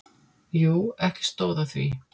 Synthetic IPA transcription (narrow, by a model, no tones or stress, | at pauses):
juːɛhcɪ̥st̪oːwðaθvḭ